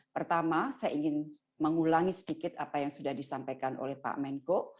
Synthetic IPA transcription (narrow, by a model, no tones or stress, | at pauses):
pərt̪amasajaʔiŋɪn | məŋulaŋisə̥dikɪt̪apajaŋsudahdisampajkanʔo̰lɛhpa̰mɛnko